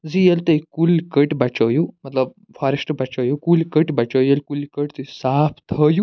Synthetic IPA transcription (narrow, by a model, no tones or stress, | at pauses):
d͡zijelt̪eikulkəʈbat͡ʃəjumɐt̪ləb̚ | fʰaɾesʈbat͡ʃɐwjukulikəʈbat͡ʃəjjelkulkəʈt̪esapʰt̪ʰəju